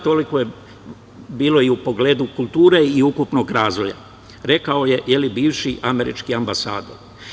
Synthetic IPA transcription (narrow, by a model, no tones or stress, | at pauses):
t̪o̞liko̞je | biːlo̞iupo̞ɡle̞ːd̪ukulˠt̪uːɾe̞iukupno̞ɡɾaːzʋo̞ja̰ | ɾe̞kao̞je̞je̞libiːʋʃiʔame̞ɾḭt͡ʃkiambasa̰ːd̪o̞̰ɾ